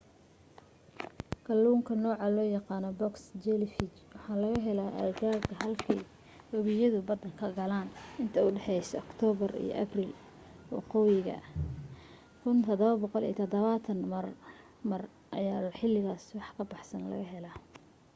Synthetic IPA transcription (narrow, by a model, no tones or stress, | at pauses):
kʰɐlːuːŋkʰɐnɔːʕɑlɔːjɑqɑːnɔbɔksd͡ʒɛlɪfɪt͡ʃwɑħɑːlɐɣɐɦɛlaːʔɐ̰rɡaːkʰɐɦɐlkʰɛj | wɐβɪjɐðʊbɐd̪ɐŋkʰɐɡɐlaːnɪnt̪ʰɐʊɖɛħɛjsɐːkt̪ʰɔːβɐrḭjɔ̰ʔɐ̰briːl | wɑ̰qɔjɪɣɐ̰ | kʰʊnt̪ʰɐd̪ɔβɐbɔqɔlḭjt̪ʰɔd̪ɐβaːt̪ʰɐnmɐr | mɐr | ʔɐ̰jaːħɪlːɪɣaːswɑħkʰɐbɑħsɐnlɐ̰ɣɐɦɛlaː